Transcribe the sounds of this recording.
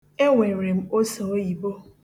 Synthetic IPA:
e˦ŋʷe˨ɾe˨m̩˦o˦so˨˦i˨bo˦

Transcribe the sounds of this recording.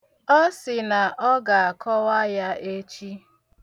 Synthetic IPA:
ɔ˦sɪ˨na˨ʔɔ˦ɡa˨a˨kɔ˦wa˦ja˦e˦t͡ʃi˦

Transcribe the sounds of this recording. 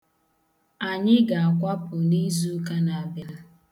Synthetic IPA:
a˨ɲɪ˦ɡa˨a˨kʷa˦pʊ˨ni˦zu˦ka˦na˨bɪ˨ɾɪ˦

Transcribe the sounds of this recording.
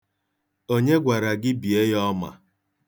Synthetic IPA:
o˦ɲe˦ɡʷa˨ɾa˨ɡɪ˦bi˨e˦jɔ˦ma̰˨

